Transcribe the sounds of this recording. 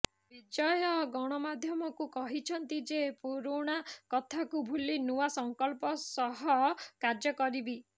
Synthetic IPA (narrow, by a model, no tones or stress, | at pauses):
bid͡ʒɔjɔɡɔɽ̃ɔmad̪ʱjɔmɔkukɔɦit͡ʃʰɔnt̪id͡ʒepuɾuɽ̃akɔt̪ʰakubʱulinuwasɔŋkɔlpɔsɔɦɔkaɾd͡ʒɔkɔɾibi